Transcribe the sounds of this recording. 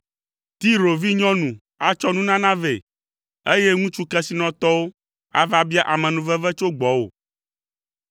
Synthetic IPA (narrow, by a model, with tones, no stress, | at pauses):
t̪i˦ɾo˨vi˦ɲɔ̃˦nũ˨ | a˦t͡ʃɔ˦nũ˦nã˦nã˦ve˨ | e˦je˦ŋũ˦t͡ʃu˦kɛ˦si˦nɔ̃˨t̪ɔ˦wo˦ | a̰˦va˦bi˦a˦ʔa˨mɛ̃˨nũ˨vɛ˦vɛ˦t͡ʃo˦ɡ͡bɔ˨˦wo̰˨